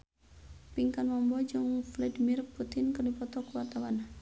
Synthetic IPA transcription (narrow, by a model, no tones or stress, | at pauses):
piŋkanmɔmbɔd͡ʒɨŋfladimirput̪ɪnkərdipɔt̪ɔkuwart̪awan